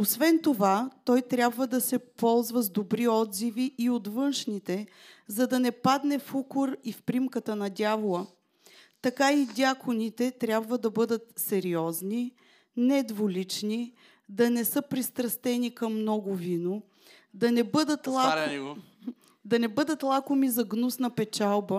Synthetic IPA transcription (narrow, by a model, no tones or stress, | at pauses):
osvɛnt̪ovat̪ɔjt̪ɾʲjabvəd̪ɐsɛpɔlˠzvəzd̪obɾiɔd̪ziviʔːot̪vɤnʃnit̪ɛ | zɐd̪ɐnɛpad̪nɛfukʊɾifpɾimkət̪ənɐd̪ʲjavolˠə | t̪ɐkaid̪ʲjakonit̪ɛt̪ɾʲjabvəd̪ɐbɤd̪ət̪sɛɾiɔzni | nɛd̪volit͡ʃni | d̪ɐnɛsɤpɾist̪ɾɐst̪ɛnikɐmːnɔɡʊvino | d̪ɐnɛbɤd̪ət̪lˠa | d̪ɐnɛbɤd̪ət̪lˠakʊmizɐɡnusnɐpɛt͡ʃalˠbə